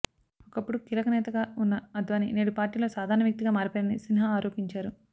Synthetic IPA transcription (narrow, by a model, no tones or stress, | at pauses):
ɔkɐpːuɽukilɐkɐnɛːt̪ɐɡaːunːɐɐd̪ʋaːnineːɽupaːɾʈiːlo̞ːsaːd̪ʱaːɾɳɐʋjɐk̚t̪iɡaːmaːɾipoːɐnisinɐɦɐaːɾoːpiɲt͡ʃaːɾu